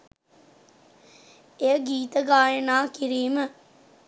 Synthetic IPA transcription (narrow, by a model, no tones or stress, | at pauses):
ejəɡiːt̪əɡaːjənaːkiɾiːmə